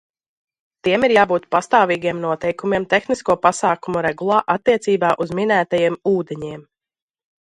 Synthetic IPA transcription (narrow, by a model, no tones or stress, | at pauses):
t̪iɛmiɾjaːbuːt̪past̪aːviːɡiɛmnuɔt̪ɛjkumiɛmt̪exniskuɔpasaːkumuɾɛɡulˠaːʔat̪ːiɛt̪siːbaːʔuzmʲinæːt̪ajiɛmuːd̪eɲiɛm